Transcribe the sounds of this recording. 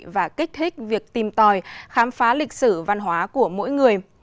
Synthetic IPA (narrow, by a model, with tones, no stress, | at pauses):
vaː˨˩kï˦˥k̟̚t̪ʰï˦˥k̟̚vi˨˩ək̚t̪i˨˩mt̪ɔ˨˩jxaː˨˦mfaː˨˦lï˨˩k̟̚sɨ˧˩va˧nɦwaː˨˦ku˧˩əmo̰˧˥jŋɨ˨˩əj